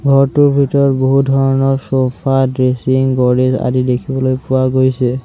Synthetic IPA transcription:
bʱɔɹtuɹbʱitɔɔɹboɦudʱɔɹɔnɔɹsopʰadɹesiŋɡɔɾeza̰didekʰibɔlojpʊaɡojsɛ

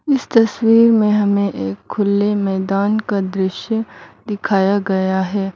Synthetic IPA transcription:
ɪst̪ɐswiːɾmẽɦɐmẽʔeːkʰːʊlːemɛːd̪aːnkad̪ɾɪʃjəd̪ɪkʰaːjaɡɐjaɦɛː

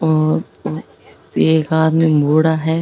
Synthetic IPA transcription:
ɔːɾ | eːkaːd̪mẽmoːɽaɦɛː

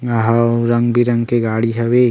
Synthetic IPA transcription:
ɐɦɐɾɐŋɡbiɾɐŋɡkeɡaːɽiɦɐʋeː

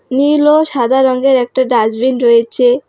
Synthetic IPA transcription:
niloʃad̪ʱaɾɔŋɡeɾɛk̚ʈaɖad͡ʑbinɾojet͡ɕʰe

